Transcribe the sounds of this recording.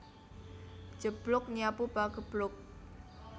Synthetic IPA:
ʒ̥ə̤b̥lʊk̚ɲiapub̥aɡəb̥lʊk̚

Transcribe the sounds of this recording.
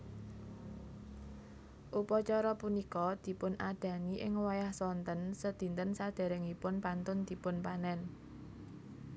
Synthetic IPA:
ʔupɔt͡ʃɔɾɔpunikɔd̪̥i̤pʊnaɖ̪̥ä̤niʔɪŋwajahsɔnt̪ənsəd̪̥i̤nt̪ənsad̪̥a̤ɾɛŋipʊnpant̪ʊnd̪̥i̤pʊnpanɛn

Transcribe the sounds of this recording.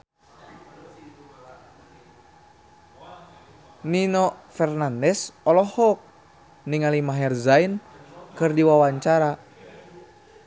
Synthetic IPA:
ninɔfɛrnandɛsɔlɔhɔk̚ | niŋalimaɦɛrzain | kɨrdiwawaɲt͡ʃaɾa

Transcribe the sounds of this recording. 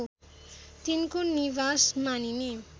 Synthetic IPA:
t̪inkoniβasmanini

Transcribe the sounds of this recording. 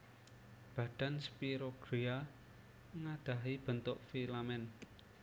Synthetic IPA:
b̥ä̤ɖ̪̥a̤nspiɾoɡ̥ɾia | ŋaɖ̥a̤ɦib̥ə̤nt̪ʊʔfilamɛn

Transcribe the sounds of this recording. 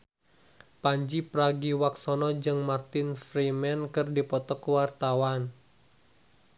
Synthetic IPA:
paɲd͡ʒipɾaɡiwaksɔnɔd͡ʒɨŋmart̪ɪnfɾimɛnkɨrdipɔt̪ɔkəwart̪awan

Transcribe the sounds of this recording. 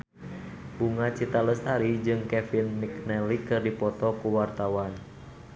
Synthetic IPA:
buŋat͡ʃit̪aləst̪aɾid͡ʒɨŋkɛfinːiknɛlikɨrdipɔt̪ɔkuwart̪awan

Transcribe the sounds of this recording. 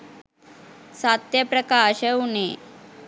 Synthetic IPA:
sat̪jəpɾəkaɕəune

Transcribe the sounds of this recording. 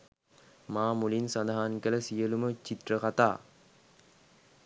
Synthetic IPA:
maːmulinsand̪aɦankələsijəlumət͡ʃit̪rəkat̪aː

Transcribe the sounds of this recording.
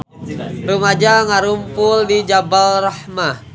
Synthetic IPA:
rumad͡ʒaŋaɾumpʊldid͡ʒabalrahma

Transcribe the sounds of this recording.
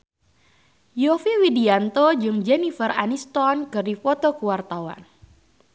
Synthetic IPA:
jofiwidiant̪od͡ʒɨŋd͡ʒɛnifəranist̪ɔnkɨrdifɔt̪ɔkuwart̪awa̰n

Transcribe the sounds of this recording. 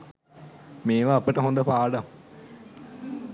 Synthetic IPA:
meːʋaːpəʈəɦond̪əpaːɖam

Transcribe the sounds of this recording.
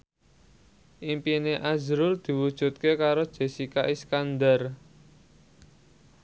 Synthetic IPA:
ʔimpineʔazɾʊrd̪̥i̤wud̥ʒ̥ṳt̪̚kekaɾod̥ʒ̥e̤sikaʔiskand̪ər

